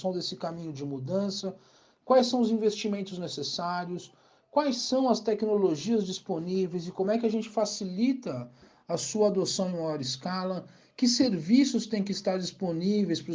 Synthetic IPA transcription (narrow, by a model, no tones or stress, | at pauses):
ɐ̃w̃d̪esɪkamĩɲʊd͡ʒɪmud̪ɐ̃sɐ | kwajsːɐ̃w̃ʊzĩvest͡ʃimẽnt̪ʊznesesaɾjʊs | kwajsɐ̃w̃ɐst̪ɛknoloʒiɐzd͡ʒisponivejzɪkõmʊɛkɪɐʒẽnt͡ʃɪfasilit̪ɐ | ɐsuɐad̪osɐ̃w̃ẽmajɔɾɪskalɐ | kɪseɾvisʊst̪ẽj̃kɪist̪aɾd͡ʒisponivejspɾʊ